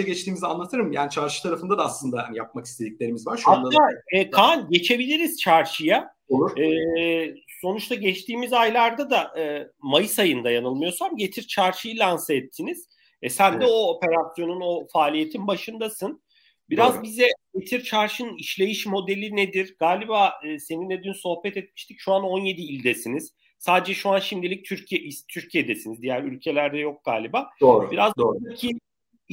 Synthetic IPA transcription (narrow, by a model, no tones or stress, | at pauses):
ɛɟɛt͡ʃt̪ʰiːmizanlˠat̪ʰɯɾɯmjaːnit͡ʃʰaɾʃɯ̥t̪ʰaɾafɯnd̪ad̪aːslˠɯnd̪ahanijap̚maki̥st̪ʰe̞d̪ic̚lʲe̞ɾimizvaɾʃanaaɛːkʰanɟe̞t͡ʃʰe̞bilʲiɾiz̥t͡ʃʰaɾʃɯja | ouɾɛː | so̞nut͡ʃt̪ʰaɟɛt͡ʃt̪ʰiːmizajlˠaɾd̪ad̪aʔɯmajɯsajɯnd̪ajanɯlˠmɯjo̞samɟe̞t̪ʰiɾt͡ʃʰaɾʃɯjɯlʲansaɛt̪ʰːiniz̥ | ɛsænd̪ɛo̞ːpe̞ɾasjo̞nuno̞faːlʲije̞t̪ʰinbaʃɯnd̪asɯn | biɾazbizɛɟe̞t̪ʰiɾt͡ʃʰaɾʃɯniʃlʲe̞jiʃmo̞d̪e̞lʲined̪iɾɡaːlʲibaːɯːse̞ninɛd̪ynso̞hbɛt̪ɛt̪̚mi̥ʃt̪ʰicʃuano̞nje̞d̪iːlʲd̪esiniz̥ | saːd̪ed͡ʒɛʃuanʃimd̪ilʲic̚t̪ʰyɾcʰijɛʔist̪ʰyɾcʰijed̪esinizd̪ijæɾylʲcʰe̞lʲæɾd̪ɛjo̞k̚ɡ̥a̰ːlʲibaːoːbiɾazyɾcʰi